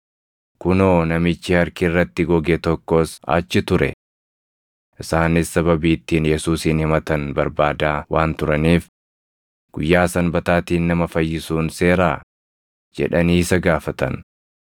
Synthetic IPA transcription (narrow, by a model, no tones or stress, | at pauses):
kʊnoːnɐmɪt͡ʃːɪhɐɾkɪːrːɐt̪ːɪɡɔɡeːt̪ɔkːoːsa̰t͡ʃːɪt̪ʊɾɛ̰ | ʔɪsaːnɪsːɐβɐbiːt̪ːiːnjɛsuːsiːnhɪmɐt̪ɐnbɐɾbaːd̪aːwaːnt̪ʊɾɐniːf | ɡ̥ʊjːaːsɐnbɐt̪aːt̪iːnːɐmɐfɐjːɪsuːnse̞ːɾaː | d͡ʒɛ̰ᶑɐniːsɐɡaːfɐt̪ɐ̰n